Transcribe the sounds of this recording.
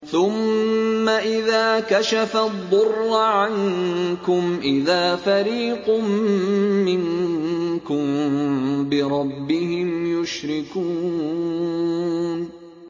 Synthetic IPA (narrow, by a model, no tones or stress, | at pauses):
θʊmːaʔɪðaːkaʃafad̪ˤːʊrːʕankʊmʔɪðaːfaɾiːqʊmː | ɪŋ | kʊm | bɪɾˤɑbːɪhɪmjʊʃɾɪkuː | n